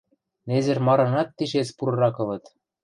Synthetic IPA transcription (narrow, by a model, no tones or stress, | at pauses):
nezɘ̆rmɑɾɤ̆nɑt̪ːiʃet͡spuɾɤ̆ɾɑkɤ̆lɤ̆t̪